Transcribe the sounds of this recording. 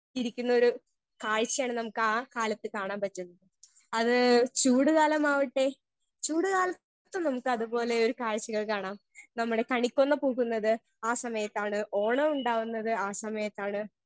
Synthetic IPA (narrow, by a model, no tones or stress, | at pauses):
iɾikʲːunːɐo̞ɾu | kaːɻt͡ɕːijaːɳɨnɐmukːɨaːkaːlɐt̪ːɨkaːɳaːmpɐt͡ɕːunːɐðɨ | ɐðɨt͡ɕuːɽuɣaːlɐmaːʋiʈːe̞ | t͡ɕuːɽuɣaːlɐt̪ | t̪ːumnɐmukːɨɐðupo̞ːle̞o̞ɾukaːɻt͡ɕːiɣɐɭkaːɳaːm | nɐmːuɽe̞kɐɳikʲːonːɐpoːɣunːɐðɨ | aːsɐmɐjɐt̪ːaːɳɨʔo̞ːɳɐuɳɖaːʋunːɐðɨaːsɐmɐjɐt̪ːaːɳɨ